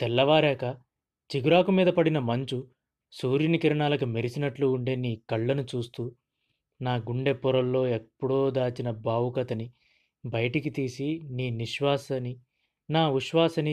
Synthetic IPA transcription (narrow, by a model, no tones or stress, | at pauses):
t̪ɛlːɐʋaːɾɛːkɐ | t͡ʃiɡuɾaːkumiːd̪ɐpɐɽinɐmɐɲt͡ʃu | suːɾjinikiɾɐɳaːlɐkumeɾisinɐʈluːɳɖe̞ːniːkɐɭːɐnut͡ʃuːst̪uː | naːɡuɳɖe̞pːɔɾɐlːo̞ːepːuɽoːd̪aːt͡ʃinɐbaːʋukɐt̪ɐni | bɐjɐʈikit̪iːsiniːniʃʋaːsɐni | naːʋiʃʋaːsɐni